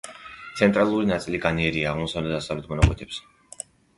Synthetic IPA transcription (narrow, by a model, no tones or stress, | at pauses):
t̪sʰɛnt̪ʼɾalˠuɾinat̪sʼiliɡaniɛɾiaːʁmɔsavlɛt̪d̪asavlɛt̪̚ʰmɔnakʼwɛt̪ʰɛps